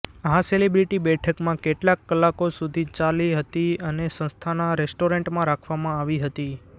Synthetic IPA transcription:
ɦãselibɾiʈibɛʈʰəkmãkeʈlakːəlːakosud̪ʱit͡ʃaliɦət̪iənesə̃st̪ʰanaɾesʈoɾẽɳʈmãɾakʰʋamãaʋiɦət̪i

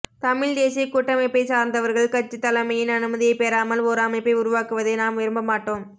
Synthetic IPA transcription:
t̪ɐmɪɭd̪eːsijɐkuʈːɐmɐɪpːɐɪsaːɾnd̪ɐʋɐɾɣɐɭkɐt͡ʃːɯt̪ːɐlɐmɐjɪnɐnɯmɐðɪjɐɪpeːɾaːmɐloːɾaːmɐɪpːɐɪʊɾʊʋaːkɯʋɐðɐɪnaːmʋɪɾɯmbɐmaːʈːoːm

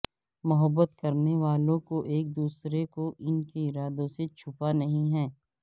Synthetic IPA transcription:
mʊɦəbːət̪kɐɾneʋaːlõkoʔeːk̚d̪uːsɾekoʔɪnkeɪɾaːd̪õset͡ʃʰʊpanɐɦĩɦɛ̃ː

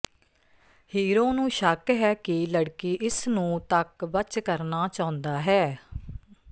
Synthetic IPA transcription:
hiːɾõːnũːʃəkɦɛːkɪləɽkiːʔɪsnũːt̪əkbət͡ʃkəɾnaːt͡ʃãːʊ̃nd̪aːɦɛː

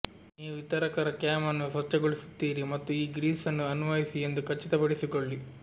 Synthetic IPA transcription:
niːʋuit̪ɐɾɐkɐɾɐkjaːmɐnːusɐt͡ʃːɐɡoɭisu̥t̪ːiːɾimɐt̪ːuiːɡɾiːsɐnːuɐnuʋɐjisie̞nd̪ukɐt͡ʃːit̪ɐpɐɽisikoɭːi

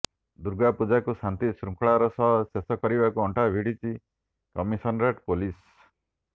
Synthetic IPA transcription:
d̪uɾɡapud͡ʒakusant̪isɾuŋkɭaɾɔsɔɦsesɔkɔɾibakuɔɳʈabʱiɽit͡ʃʰi | kɔmisɔnɾaʈpolis

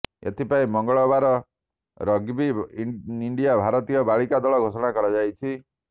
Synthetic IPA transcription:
ḛt̪ʰipaĩmɔŋɡɔɭɔbaɾɔ | ɾɔɡbi | iɳɖijabʱaɾɔt̪ijɔbaɭikad̪ɔɭɔɡʱosɔɽ̃akɔɾad͡ʒajt͡ʃʰi

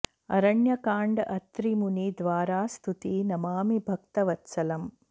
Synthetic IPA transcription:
ɐ̰ɾɐɳjɐkaːɳɖɐt̪ɾimunid̪ʋaːɾaːst̪ʰut̪inɐmaːmibʱɐk̚t̪ɐʋɐt̪sɐlɐm

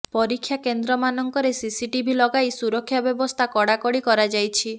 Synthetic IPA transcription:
pɔɾikʰːjakend̪ɾɔmanɔŋkɔɾesisiʈibʱilɔɡajsuɾɔkʰːjabjɔbɔst̪ʰakɔɽakɔɽikɔɾad͡ʒajt͡ʃʰi

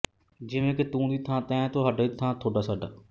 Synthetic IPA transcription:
d͡ʒɪʋẽːkɪt̪ũːd̪iːt̪ʰãːt̪ɛ̃ːt̪õːɦaːɖaːit̪ʰãːt̪ʰoːɖaːsaːɖa̰ː

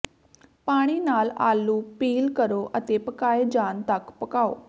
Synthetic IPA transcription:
paːɽ̃iːnaːla̰ːluːpiːlkəɾoːʔət̪eːpəkaːeːd͡ʒaːnt̪əkpəkaːo̰ː

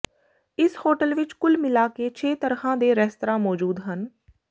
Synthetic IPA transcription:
ɪshoːʈəlʋɪt͡ʃkʊlmɪlaːkeːt͡ʃʰeːt̪əɾkʰãːd̪eːɾɛst̪ɾãːmɔːd͡ʒuːd̪ɦən

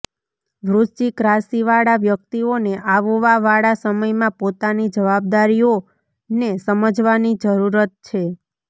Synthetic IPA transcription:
ʋɾut͡ʃikɾasiʋaɽaʋjək̚t̪ioneʔaʋoʋaʋaɽasəməjmãpot̪anid͡ʒəʋab̚d̪aɾijo | nesəməd͡ʒʋanid͡ʒəɾuɾət̪̚t͡ʃʰe

